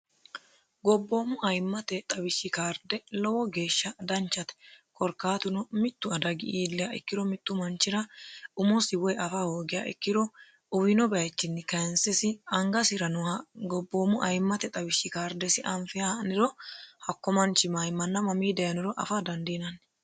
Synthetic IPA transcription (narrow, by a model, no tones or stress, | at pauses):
ɡɔbːo̞ːmʊʔɐjmːɐt̪ɛt̪ʼɐbɪʃːɪkaːɾd̪ɛlɔwɔɡe̞ːʃːɐd̪ɐnt͡ʃːɐt̪ɛ̥kʰɔɾkːaːt̪ʊnɔmɪt̪ːʊɐd̪ɐɡɪʔiːlːɛjɐʔɪ̰kːɪd̪ɔmɪt̪ːʊmɐnt͡ʃːɪɾɐʊmɔsɪwɔjʔɐfahoːɡɪja̰ʔɪ̰kːɪd̪ɔ | ʊwɪnɔbɐt͡ʃːɪnːɪkɐnsɛsɪɐŋɡɐsɪɾɐnʊhɐɡɔbːoːmʊʔɐjmːɐt̪ɛt̪ʼɐbɪʃːɪkaːɾd̪ɛsɪʔɐmfɪjanɪɾɔhɐkːɔmɐnt͡ʃːɪmajmːɐnːɐmɐmiːd̪ɐjɐnɪɾɔʔɐ̰fad̪ɐnd̪iːnɐn